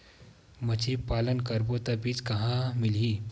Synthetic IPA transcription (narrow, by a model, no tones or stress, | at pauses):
məd͡ʑʰʱipalənkəɾbot̪abiːd͡zkɐɦãmili